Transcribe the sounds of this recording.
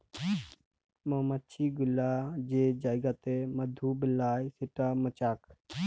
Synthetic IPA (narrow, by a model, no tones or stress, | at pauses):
məmət͡ʃʰiːɡʊlːaːd͡ʒed͡ʒaːiɡat̪eməd̪ʱuːbəlaːjsɪʈaːmət͡ʃaːkʰ